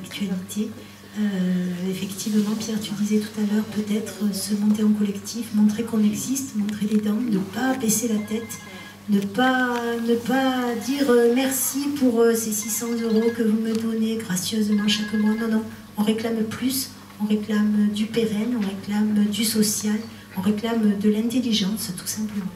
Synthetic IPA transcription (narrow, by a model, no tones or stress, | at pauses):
akt̪ʰɥalit̪ʰe | øefɛkt̪ʰivmɑ̃pjɛʁt̪yd̪izɛt̪u̥t̪alœʁpøt̪ɛt̪χəsəmɔ̃t̪eɑ̃kɔlɛkt̪ʰifmɔ̃t̪χekɔ̃nɛɡzist̪mɔ̃t̪χeled̪ɑ̃nəpabeselat̪ɛt̪ | nəpanəpad̪iʁømɛʁsipuʁəsesisɑ̃zøʁokəvuməd̪ɔneɡʁasjøzmɑ̃ʃakəmwanɔ̃nɔ̃ | ɔ̃ʁeklamplys | ɔ̃ʁeklamd̪ypeʁɛnɔ̃ʁeklamd̪ysɔsjal | ɔ̃ʁeklamd̪əlɛ̃t̪eliʒɑ̃st̪u̥sɛ̃pləmɑ̃